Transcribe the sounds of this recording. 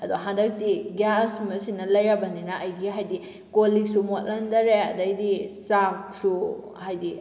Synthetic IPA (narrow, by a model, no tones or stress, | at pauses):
ɐdoɦandɐk̚tiɡjasmɐsinːɐlɐjɾɐbɐninɐʔːjɡiɦajdi | koliksumot̚lɐndɐɾeɐ̰dɐjdisak̚su | hajdi